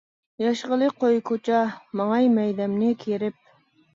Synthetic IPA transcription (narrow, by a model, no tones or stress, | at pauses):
jɑʃʁəlˠɨqojkʰot͡ʃʰɑmɑŋɑjmɛjd̪ɛmnɪkʲʰeɾɪp̚